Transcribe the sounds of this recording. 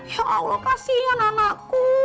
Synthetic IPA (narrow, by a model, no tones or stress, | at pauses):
hoʔa̰ulokasiɔnanaʔku